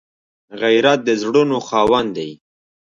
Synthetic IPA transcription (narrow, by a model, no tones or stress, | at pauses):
ɣajɾat̪̚d̪əzɽunoxɑːwand̪aj